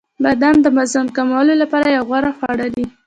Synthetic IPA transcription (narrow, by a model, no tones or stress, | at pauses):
bad̪and̪əmazamkamɑlolapɑɾajawɣwaɾaxwɑɽad̪i